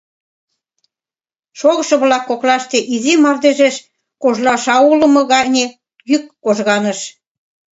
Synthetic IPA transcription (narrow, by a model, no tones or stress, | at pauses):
ʃoɣə̆ʃɤ̆βlɑkːoklɑʃt̪eʔizimɑrd̪eʒeʃ | koʒlɑʃɑulə̆mɤ̆ɣɑnʲe | jykːoʒɣɑnəʃ